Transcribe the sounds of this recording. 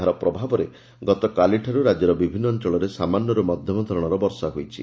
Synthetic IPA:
ɦaɾɔpɾɔbʱabɔɾe | ɡɔt̪ɔkaliʈʰaɾuɾad͡ʒɔɾɔbibʱinːɔːnt͡ʃɔɭɔɾesamanːɔɾɔmɔd̪ʱjɔmɔd̪ʱɔɾɔɽ̃ɔɾɔbɔɾsaɦujt͡ʃʰḭ

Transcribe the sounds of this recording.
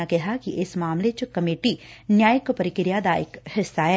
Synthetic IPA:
akɛɦakiʔɪsmaːmlet͡ʃkɐmeːʈinjaːjəkpɐɾɪkɾɪjad̪aɪ̰khɪsːaɦɛː

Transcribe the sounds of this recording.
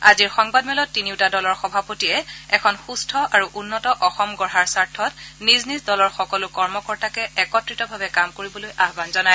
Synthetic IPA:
aziɹxɔŋbadmɛlɔtːiniʊtadɔlɔɹxɔbʱapotijɛɛkʰɔnxustʰɔʔaɹuʔunːɔtɔʔɔxɔmɡɔɹɦaɹsaɹtʰɔtniznizdɔlɔɹxɔkɔlʊkɔɹmɔkɔɹtakɛɛkɔtɹitɔbʱabɛkamkoɹibɔlojʔaɦbanzɔnaj

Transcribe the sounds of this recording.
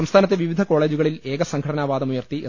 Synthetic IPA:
ɐmst̪ʰaːnɐt̪̬ːeʋiʋid̪ʱɐko̞ːɭe̞ːd͡ʑuɣɐɭile̞ːɡɐsɐŋɡʰʱɐɽɐnaːʋaːd̪ɐmujɐrt̪i

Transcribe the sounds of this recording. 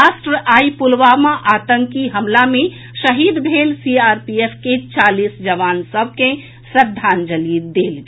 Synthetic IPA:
aːsʈɾəʔaːipʊlʋaːmãʔaːt̪ə̃ŋkiɦɐmlamẽ | ʃɐɦiːd̪bʱeːlsiːaːɾpieːfʰket͡ʃaːliːsd͡ʒɐʋaːnsəb̚ʱke | sɾəd̪ʱːaːnd͡ʒəliːd̪d̪eːlɡ

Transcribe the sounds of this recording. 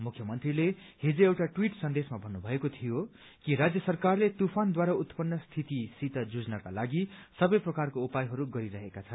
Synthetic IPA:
mukʰjʌmʌnt̪rile | hed͡ziewʈaʈwiʈsʌnd̪esmabʱʌnːubʱʌekot̪ʰijo | kiɾad͡zjʌsʌrkarlet̪upʰand̪waɾaut̪pʌnːʌst̪ʰit̪isit̪ʌd͡zud͡znakalaɡisʌbʌjprʌkarkoupajɦʌɾuɡʌɾiɾʌɦekat͡sʰʌnn

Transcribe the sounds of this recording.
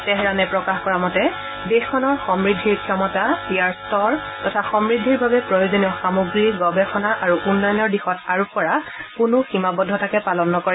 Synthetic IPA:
tɛɦɛɹanɛpɹɔkaxkɔɹamɔtɛ | dexkʰːɔnɔɹxɔmɹidʱːiɹkʰiɔmɔtaijaɹstɔɹ | tɔtʰaxɔmɹidʱːiɹbabɛpɹɔjozonijɔxamuɡɹiɡɔbɛxɔnaʔaɹuʔunːɔjɔnɔɹdixɔtaɹupɔɹakʊnʊximabɔdʱːɔtʰakɛpalɔnːɔkɔɹɛ

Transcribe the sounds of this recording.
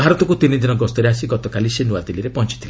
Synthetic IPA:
bʱaɾɔt̪ɔkut̪inid̪inɔɡɔst̪ɔɾeasiɡɔt̪ɔkalisenuat̪iliɾepɔnt͡ʃit̪ʰila

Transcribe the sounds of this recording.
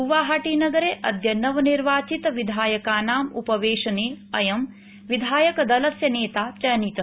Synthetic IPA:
uʋaːɦaːʈiːnɐɡɐɾeːʔɐd̪ʱjɐnɐʋɐniɾʋaːt͡ʃit̪ɐʋid̪ʱaːjɐkaːnaːmṵpɐʋeːʃɐneːɐjɐm | ʋid̪ʱaːjɐkɐd̪ɐlɐsjɐneːt̪aːt͡ʃɐjɐnit̪ɐ

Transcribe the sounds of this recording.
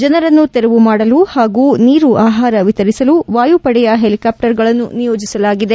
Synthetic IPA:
d͡ʒɐnɐɾɐnːut̪eɾeʋumaːɽɐluhaːɡuːniːɾuʔaːɦaːɾɐʋit̪ɐɾisɐluʋaːjupɐɽɛjɐɦe̞likaːp̚ʈɐɾɡɐɭɐnːṵnijoːd͡ʒisɐlaːɡid̪e

